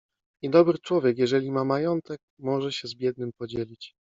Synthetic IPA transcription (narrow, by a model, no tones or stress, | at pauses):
id̪ɔbɾɘt͡ʂwɔvʲjɛkjɛʐɛlʲimamajɔnt̪ɛk̚ | mɔʐɛɕɛzbʲjɛd̪nɘmpɔd͡ʑelʲit͡ɕ